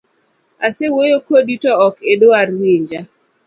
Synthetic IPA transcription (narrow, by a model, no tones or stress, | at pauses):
asewojokoditɔɔkedoarweɲd͡ʒa